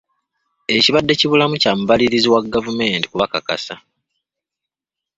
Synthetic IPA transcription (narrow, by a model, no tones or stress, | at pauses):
e̞ciβadːe̞ciβulamucaːmuβaliɾiziwaɡavume̞ːnti̥kuβakaka̰sa